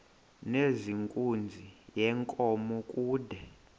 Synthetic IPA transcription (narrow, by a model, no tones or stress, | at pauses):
neziŋkʼund͡zʱijɛŋkʼɔmɔkʼuːdʱɛ